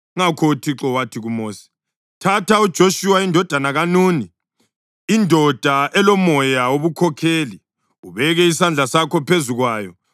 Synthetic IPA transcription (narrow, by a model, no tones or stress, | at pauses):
ŋakʰɔutʰiǁɔwatʰiɣumoːsi̥ | tʰatʰaud̥ʒ̥ʱoʃuwaindʱɔd̥ʱanaɣanuːniː | ndʱɔd̥ʱaʔɛlɔmɔjaoβukʰɔkʰeːli | uβɛɣɛisand͡ɮʱasakʰɔpʰezuɣwaːjɔ